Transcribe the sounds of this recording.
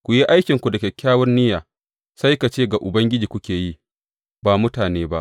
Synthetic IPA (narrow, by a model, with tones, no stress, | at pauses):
kʷu˨ji˦ʔa˦jkʲɪ˨ŋkʷu˨dɐ˨kʲɛ˨kʲːaː˦wɔ˦rnɪ˦jaː˨ | sa˦jka˨t͡ʃeː˦ɡa˨ʔʊ˨bɐ˦ŋɡʲɪ˦d͡ʒiː˨kʷʊ˦kʲeː˨ji˦ | baː˨mʊ˦taː˨neː˦ba̰˦ʔ